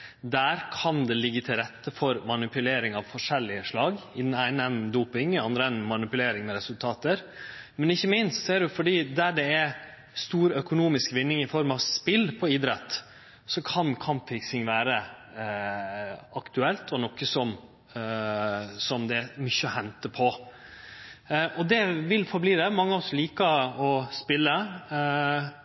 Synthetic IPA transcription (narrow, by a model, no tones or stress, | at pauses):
d̪æːɾkʰɑnd̪ɛlɪɡːət̪ʰɪlɾɛt̪ːəfɔɾmɑnɪpʉleːɾɪŋɑʋfɔʂɛlːɪəʂlɑːɡɪd̪ɛnæɪnəɛnd̪uːpɪŋɑnd̪ɾəɛnmɑnɪpʉleːɾɪŋmɛɾɛsʉlt̪ʰɑːt̪əɾmɛnɪçːəmɪnst̪sɔɛɖʊfɔɖiːd̪æɖɛɛ | st̪uːɾœkʊnuːmɪskʋɪnːɪŋɪfɔɾmɑʋspɪlpʰɔiːd̪ɾɛt̪ | sɔkʰɑnkʰɑmpfɪksɪŋʋæːɾə | ʔɑkt̪ʉɛlt̪ʰɔnɔkːəsɔm | sɔmd̪ɛmʏçːəɔhɛnt̪əpʰɔ | ʔɔd̪ɛʋɪlfɔɾbliːd̪ɛmɑŋːəɔsɔliːkəɔspɪlːə